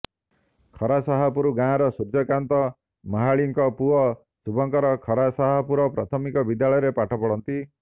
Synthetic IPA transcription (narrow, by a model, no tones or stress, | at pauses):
kʰɔɾasaɦɔpuɾuɡãɾɔsuɾd͡ʒɔkant̪ɔ | mɔɦaɭiŋkɔpuɔ | subɔŋkɔɾɔkʰɔɾasaɦɔpuɾɔpɾat̪ʰɔmikɔbid̪jaɭɔjɔɾepaʈʰɔpɔɽɔnt̪i